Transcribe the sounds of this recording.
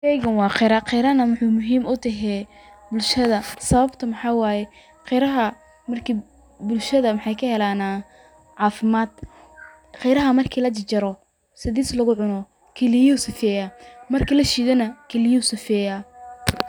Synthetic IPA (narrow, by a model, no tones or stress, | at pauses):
ɛjɣɐnwɑːqɛɾɐqɛjɾɐnɐmʊħuːmʊɦiːmʊt̪ʰɐɦɛ | bʊlʃɐðɐsɐβɐbt̪ʰɐmɑħɑwɑːjɛ | qɛjɾɐɦɐ | mɐrkʰiː | bʊlʃɐðɐmɑħɑjkʰɐhɛlaːnaː | ʕɑːfɪmaːd̪ | qɛjɾɐɦɐmɐrkʰiːlɐt͡ʃɪt͡ʃɐɾɔ | sɪðiːslɐɣʊʕʊnɔ | kʰɛlɪjɔsɪfɛːjaːmɐrkʰiːlɐʃiːðɛnɐkʰɛlɪjsɪfɛːjaː